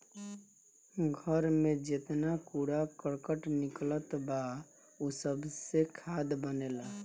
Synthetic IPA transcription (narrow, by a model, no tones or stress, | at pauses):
ɡʱəɾmẽd͡ʒet̪nakuɽakəɽkəʈnɪklət̪ba | usəbsekʰaːd̪bəneːla